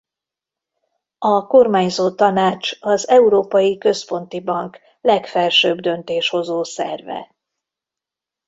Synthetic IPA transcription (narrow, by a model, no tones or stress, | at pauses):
ɒko̞rmaːɲzoːt̪ɒnaːt͡ʃɒzɛuɾoːpɒjikø̞spo̞n̪t̪ibɒŋk | lɛkfɛlʃøːbd̪ø̞nt̪eːʃho̞zoːsɛ̰rvɛ̰